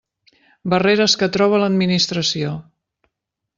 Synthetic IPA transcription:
bəreɾəskət̪ɾɔβ̞ələd̪minist̪ɾəsio

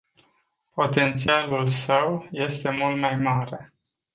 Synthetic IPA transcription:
po̞t̪e̞nt̪sialulsəwje̞st̪e̞mult̪majmaɾe̞

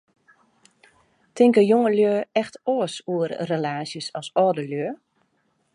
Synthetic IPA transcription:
tʰɪŋkəjoŋəljøːɛxtoəsuərrelaːsjəsɔsɔːdəljøə

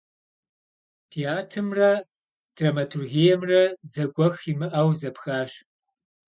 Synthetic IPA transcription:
tʰiaːtʰɨmrɐ | d̥ramɐtʰurɣijɛmrɐzɐɡʷɔximɨʔɐwzɐpʰxaːɕ

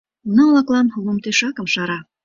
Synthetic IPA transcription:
noɑlɑklˠɑnlˠumt̪eʃɑkɤmʃɑɾɑ

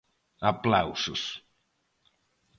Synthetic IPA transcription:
aplawsʊs

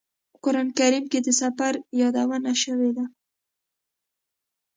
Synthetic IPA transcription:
pəkʊɾɑnkaɾimked̪əsafaɾjɑd̪awənaʃəwed̪a

